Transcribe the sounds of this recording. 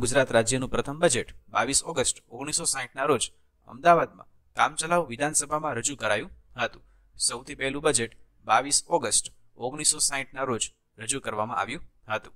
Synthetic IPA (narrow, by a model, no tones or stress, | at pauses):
ɡʊd͡ʒɾat̪ɾad͡ʒjənũpɾət̪ʰəmbəd͡ʒeʈba̰ʋisɔɡəsʈoɡɽ̃isosaɦiʈnaɾod͡ʒ | ə̰md̪aʋad̪̚mã̰ | kamt͡ʃəlaʋʋid̪ʱansəbʱamãɾəd͡ʒukəɾajũɦət̪ũ | səwt̪ʰipɛɦlũbəd͡ʒeʈ | baʋisɔɡəsʈ | oɡɽ̃isːosaɦiʈnaɾod͡ʒ | ɾəd͡ʒukəɾʋamã̰ʔa̰ʋjũɦət̪ũ̥